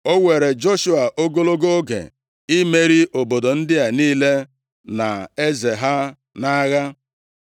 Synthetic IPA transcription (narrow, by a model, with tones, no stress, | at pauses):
o˦we˨ɾe˨d͡ʒo˦ʃu˦a˨ʔo˦ɡo˦lo˦ɡo˦ɡḛ˨ | i˦me˦ɾi˦ʔo˨bo˨do˨n̩˦dɪ˦ja˨niː˦le˦ | na˨e˦ze˨ɦa˦ | na˦ɣa˦